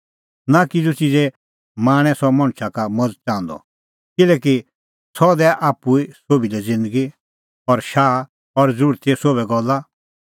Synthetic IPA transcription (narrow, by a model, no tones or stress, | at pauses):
nakɪd͡zut͡ʃid͡zɛ | maːɽ̃ɛ̃sɔmɐ̃ɽ̃t͡ʃʰakamɐd͡zt͡ʃãːnd̪ɔ̰ | kɪlɛːki | sɔd̪ɛʔaːpuisoːbilɛd͡zɪ̃nd̪əɡi | ɔɾʃaː | ɔɾd͡zɾuɾt̪isoːbɛɡɔlːa